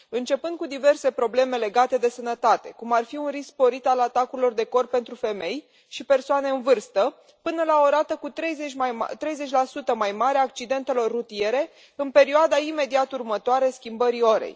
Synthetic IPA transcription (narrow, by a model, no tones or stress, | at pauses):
ɨnt͡ʃe̞pɨnd̪kud̪ive̞rse̞pɾo̞ble̞me̞le̞ɡat̪e̞d̪e̞sənət̪at̪e̞kumarfiunrisk̚po̞ɾit̪alat̪akuɾilo̞rd̪e̞ko̞r̚pe̞nt̪ɾufe̞me̞j | ʃipe̞rsoane̞ɨnvɨrst̪ə | pɨnəlao̞ɾat̪əkut̪ɾejzet͡ʃat̪ɾe̞jze̞t͡ʃʲlasut̪əmajmaɾeaːk̚t͡ʃid̪e̞nt̪e̞lo̞rːut̪ie̞ɾe̞ | ɨnpe̞ɾioad̪aime̞d̪iat̪urmət̪oaɾeskʲimbəɾio̞ɾḛj